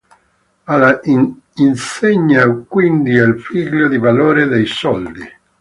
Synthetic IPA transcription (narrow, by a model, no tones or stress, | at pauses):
ala | inseɲːakwind̪ialfiːɡʎod̪ivaloːɾed̪ejsɔld̪i